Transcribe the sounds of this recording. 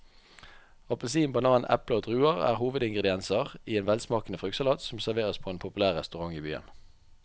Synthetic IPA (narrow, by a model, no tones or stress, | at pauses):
ɑplsiːnbɑnɑːnʔɛ̰ploːd̪ʁʉːəʁæ̰ːʁhuːʋəd̪ɪŋɡʁɛd̪ɪɛnsəʁiːeːnʋɛlsmɑːkənəfʁʉkt̪sɑlɑːt̪sɔm̩sæʁʋeːʁəspʰoːeːnpʰʊpʉlæːʁʁɛst̪ʉʁɑŋiːby̰ːə̰n